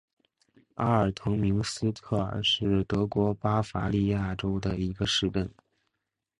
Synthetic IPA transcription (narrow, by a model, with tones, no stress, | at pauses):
a˥ə˞˨˩t̪ʰʊ˧˥ŋmi˧˥ŋsɹ̩˥t̪ʰɤ˥˩ə̰˞˨˩ʂɻ̩˥˩t̪ɤ˧˥kwɔ˧˥pa˥fa˧˥li˥˧ja˥˩ʈ͡ʂo˥ʊd̪ə˨i˧˥ɡə˧ʂɻ̩˥˧ʈ͡ʂə˥˩n